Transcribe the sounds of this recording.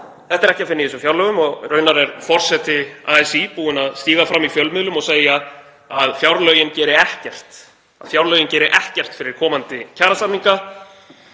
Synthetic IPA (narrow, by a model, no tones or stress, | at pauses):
θɛht̪aɾɛhcɪafɪnːɪisʏfjawɾlœːɣʏmɔɣrœːɥnaɾɛɾfɔr̥sɛt̪ɪaːɛsipuːɪnaðst̪iːɣafɾamːifjœlmɪðlʏmɔɣseːja | aðfjawɾlœɥjɪncɛːɾɪɛhcɛr̥t̪ | a̰ðfjawɾlœːɥjʏncɛːɾɪʔɛhcɛr̥t̪fɪɾɪɾ̥kʰɔːmant̪ɪcʰaːɾasap̪niŋka